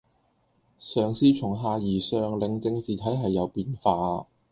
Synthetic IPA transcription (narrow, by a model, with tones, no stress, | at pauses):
sœː˨ŋsiː˥t͡ʃʰʊ˨˩ŋɦaː˨˧jiː˨˩sœː˨ŋlɪ˨ŋt͡sɪ˧ŋt͡siː˨t̪ʰɐ˨˥jɦɐ˨jːɐ˨˧wpiː˧nfaː˧